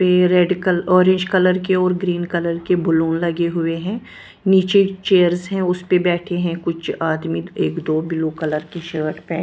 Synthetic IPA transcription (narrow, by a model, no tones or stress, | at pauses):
peɾeːɖkəlɔːɾɪ̃ɲd͡ʒkɐləɾkeɔːɾɡɾiːnkɐləɾkebʊlũːnlɐɡeɦʊeɦɛ̃ː | niːt͡ʃet͡ʃeːəɾzɦɛ̃ʊspebɛːʈʰeɦɛ̃kʊt͡ʃʰaːd̪mieːkd̪oːbɪlukɐləɾkiʃəːʈpɛ̃ː